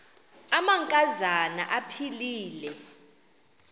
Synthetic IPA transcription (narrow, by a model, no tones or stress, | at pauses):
amaŋkʼazana̰ʔapʰiliːlɛ